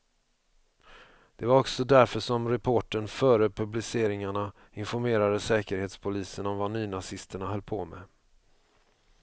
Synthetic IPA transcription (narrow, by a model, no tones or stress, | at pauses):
d̪̥ɛvaɾɔksɔd̪æɾfœʂɔmɾɛpʰoːʈənfœːɾəpʰɵblɪseːɾɪŋaɳa | ɪnfɔɾmeːɾad̪əsɛːkəɾheːt̪spʰʊliːsənɔmvanyːnasɪst̪əɳaɦœlpʰoːmɛ̰